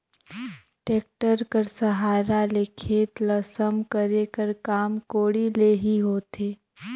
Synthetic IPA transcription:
ʈeːk̚ʈəɾkəɾsɐɦaːɾalekʰeːt̪lɐsəmkəɾekəɾkaːmkoːɽileːɦiɦoːt̪ʰeː

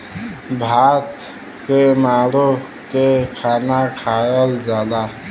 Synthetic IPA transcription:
bʱaːt̪ | kemaːɽo | kekʰaːnakʰaːjəld͡ʒaːd̪a

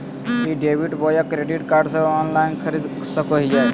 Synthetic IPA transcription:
iɖebiʈbɔjakɾeɖiʈkaɾɖsə̃ɔnlaɪnkʰəɾid̪ | səkoɦid͡ʒaj

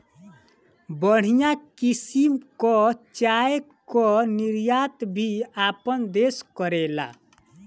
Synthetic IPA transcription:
bəɽ̤ijakisimkɔt͡ʃae | kɔniɾjat̪bʱiapənd̪eskəɾela̰

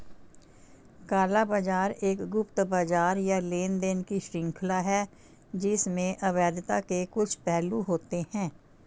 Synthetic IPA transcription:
kaːlabaːd͡ʒaːɾeːkɡʊpt̪baːd͡ʒaːɾjaleːnd̪eːnkiʃɾɪ̃ŋkʰlaɦɛ | d͡ʒɪsmẽʔəʋɛːd̪t̪akekʊt͡ʃʰpɛɦluɦoːt̪ehɛ̃ː

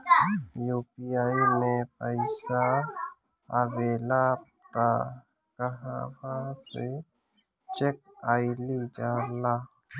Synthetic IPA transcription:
juːpijaːimẽpəɪsa | aʋeːlab | ka | kəɦabase | t͡ʃek̚ | aːɪlid͡ʒaːla

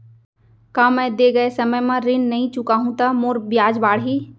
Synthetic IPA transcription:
kãːmɛ̃ːd̪eːɡəesɐməjmãɾɪnnɐɦĩt͡ʃʊkaːɦũt̪amoːɾbjaːd͡ʒbaːɽɦiː

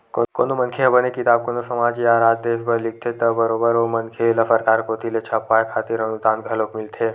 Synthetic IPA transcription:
kokoːnomənkʰeɦɐbənekɪt̪aːb̚konosɐmaːd͡ʒiaːɾaːd͡ʒ̪̚d̪eːʃbəɾlɪk̚ʰt̪ʰet̪əbəɾoːbəɾomɐnkʰelɐfəɾkaːɾkoːt̪ilet͡ʃʰɐpːaːekʰaːt̪ɪɾənud̪aːnɡʱɐlokmɪlt̪ʰeː

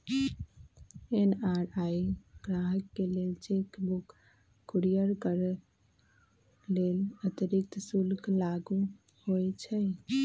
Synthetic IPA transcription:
enaɾaiɡ̥ɾaɦəkːelelt͡ʃekbukː | ɾijəɾkəɾ | lelət̪əɾikt̪sulklaɡu | hojt͡ʃʰɛ

